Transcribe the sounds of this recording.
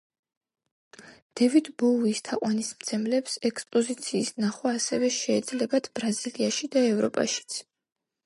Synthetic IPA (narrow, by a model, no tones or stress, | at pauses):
d̪̥ɛvid̪bɔwːst̪ʰaqʼwanismt̪sʰɛmlɛpsɛkspʼɔzit̪sʰiːsnaχwaːsɛvɛʃɛːd̪zlɛbad̪̥ʰb̥ɾaziliaʃid̪aɛvɾɔpʼa̰ʃi̥t̪sʰ